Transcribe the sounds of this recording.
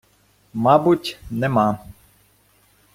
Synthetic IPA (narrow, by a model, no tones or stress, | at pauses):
mabutʲnɛma